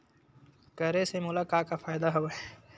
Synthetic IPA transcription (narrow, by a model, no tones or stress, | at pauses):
kɐɾesemʊlakaːkafaːjd̪aɦɐwɐɛ